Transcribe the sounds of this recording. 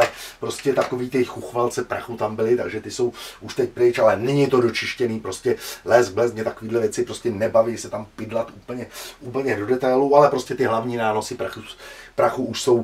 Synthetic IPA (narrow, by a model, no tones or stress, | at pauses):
ɛpɾo̞scɛt̪akoviːt̪ɪxuxvalt͡sɛpɾaxut̪ambɪlɪt̪aɡʒɛt̪ɪso̞wuʃt̪ɛcpɾɪt͡ʃalɛnɛɲɪt̪o̞do̞t͡ʃɪʃcɛniːpɾo̞scɛlɛzblɛsmɲɛt̪ako̞viːdlɛvjɛt͡sɪpɾo̞scɛnɛbavisɛt̪ampɪdlat̪ʔuːpl̩ɲɛʔuːpl̩ɲɛdo̞dɛt̪ajlualɛpɾo̞scɛt̪ɪɦlavɲiːnaːno̞sɪpɾaxupɾaxuʔuʃso̞w